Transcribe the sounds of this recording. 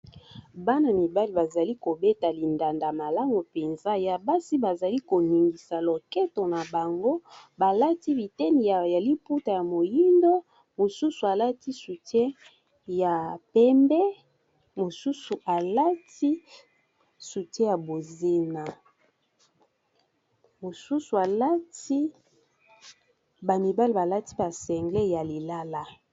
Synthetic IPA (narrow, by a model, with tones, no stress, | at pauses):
ba˦na˨mi˨ba˦li˨ba˨za˨li˦ko˨be˦ta˨li˨nda˨nda˨ma˨la˦ŋɡo˨pe˨nza˦ja˨ba˦si˦ba˨za˨li˦ko˨ni˨ŋɡi˨sa˨lo˨kɛ˦to˨na˨ba˨ŋɡo˦ba˨la˦ti˦bi˨tɛ˦ni˨ja˨ja˨li˦pu˦ta˨ja˨mo˨ji˦ndo˦ | mo˨su˦su˨a˨la˦ti˦su˨tje˦ | ja˨pɛ˦mbɛ˦ | mo˨su˦su˨ʔa˨la˦ti˦ | su˨te˦ja˨bo˨ze˦na˨ | mo˨su˦su˨a˨la˦ti˦ | ba˨mi˨ba˦li˨ba˨la˦ti˦ba˨sɛ˨ŋɡle˦ja˨li˨la˦la˦